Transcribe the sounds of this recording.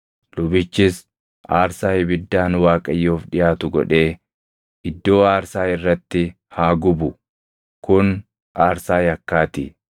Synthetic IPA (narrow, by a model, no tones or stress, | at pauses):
lʊbɪt͡ʃːɪs | ʔaːɾsaːɪbɪd̪ːaːnwaːkʼɐjːoːfᶑɪjaːt̪ʊɡɔ̰ᶑe̞ː | ɪd̪ːo̞ːaːɾsaːɪrːɐt̪ːɪ | haːɡʊbʊ | kʊn | ʔaːɾsaːjɐkːaːt̪ɪ̰